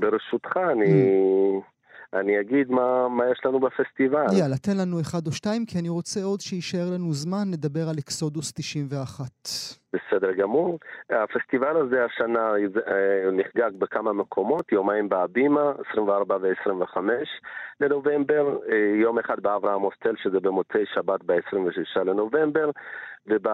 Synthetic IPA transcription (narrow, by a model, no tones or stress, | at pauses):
beʁeʃut̪χaːni | aniaɡid̪mamajeʃlanubafest̪ivaljalate̞nlanueχad̪oʃtaimkianiʁo̞t͡se̞o̞d̪ʃeiʃae̞ʁlanuzmanle̞d̪abe̞ʁalekso̞dust̪iʃimveaχat̪b̥esed̪eʁɡamuʁafe̞st̪ivalazeaʃanazniχɡaɡbekamamekʰo̞mo̞t̪jomaimbeabimaesʁimveaʁbaveesʁimveχame̞ʃleno̞ve̞mbe̞ʁjo̞meχad̪̚beavʁaamost̪elʃezebemo̞t͡sejʃabat̪beesʁimveʃiʃale̞no̞ve̞mbe̞ʁveb